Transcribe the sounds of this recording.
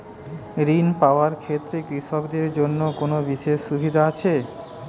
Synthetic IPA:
ɾinpaoaɾkʰet̪ːɾekɾiʃɔkd̪eɾd͡ʑonːokonobiʃeʃʃubʱid̪ʱaat͡ɕʰe

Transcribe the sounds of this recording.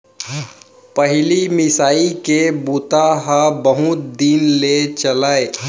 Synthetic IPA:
pəɦlimɪsaːikebuːt̪aɦabəɦʊt̪̚d̪inlet͡ʃəlaːe

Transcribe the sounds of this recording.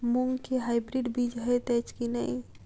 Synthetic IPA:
muŋɡkeɦajbɾiɖbid͡ʒɦəjt̪ɛt͡ʃkinəj

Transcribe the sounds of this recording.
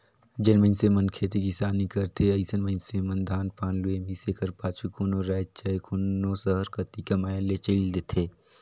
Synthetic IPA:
d͡ʒɐnmənsemɐnkʰeːt̪ekisaːnikɐɾt̪ʰeɐɪsənmənsemɐnd̪ʱaːnpaːnluemisekɐɾpaːt͡ʃʰukʰuːnoɾaːt͡ʃajkʰunoːsəɦəɾkɐt̪ikɐmaːjelet͡ʃəild̪et̪ʰeː

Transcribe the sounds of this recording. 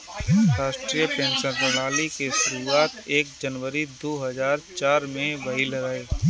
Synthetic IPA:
ɾaːʃʈɾijəpẽːnsəɾnɪlaːlikeʃʊɾuaːt̪eːk̚d͡ʒənʋəɾid̪oːɦɐzaːɾt͡ʃaːɾmẽʋɐɦilɾaeː

